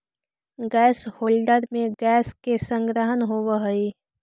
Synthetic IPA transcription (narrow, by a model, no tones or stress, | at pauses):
ɡɛːshoːlɖəɾmẽɡɛːskesə̃ŋɡɾəɦənɦowəɦəi